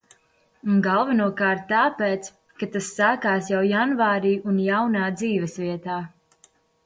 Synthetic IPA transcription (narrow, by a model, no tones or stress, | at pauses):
unɡalˠvɛnuɔkaːɾt̪ːaːpɛːt̪s | kat̪asːaːkaːsjawjanvaːɾiːunjawnaːd̪ziːvɛsviɛt̪aː